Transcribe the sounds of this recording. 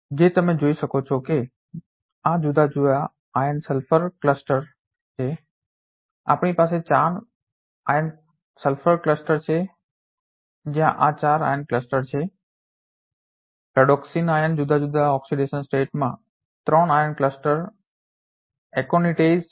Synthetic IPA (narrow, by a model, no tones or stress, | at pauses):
d͡ʒet̪əmẽd͡ʒoiʃəkot͡ʃʰɔke | ad͡ʒud̪ʱad͡ʒua | ajənsəlfʰəɾkləsʈəɾ | t͡ʃʰe | a̰pɳipaset͡ʃaɾ | ajən | səlfʰəɾkləsʈəɾt͡ʃʰe | d͡ʒjãʔat͡ʃaɾa̰jənkləsʈəɾt͡ʃʰe | pɾəɽɔksinajənd͡ʒud̪ʱad͡ʒud̪ʱaɔksiɖeʃənsʈeʈmã̰ | t̪ɾəɳajənkləsʈəɾ | ɛkoniʈez